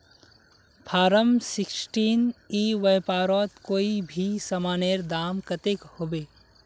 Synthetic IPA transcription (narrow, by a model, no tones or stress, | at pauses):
pʰaːɾəmsɪksʈiːniːʋɐjpaːɾɔːt̪koːibʱisɐmaːneɾd̪aːmkɐt̪ɪkhoːbeː